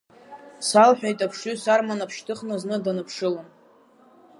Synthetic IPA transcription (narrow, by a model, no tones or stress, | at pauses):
salħʷᶣajtʼapʰʂysarmanapʰʃtʰɨχnɨznɨdanɨpʰʂɨlom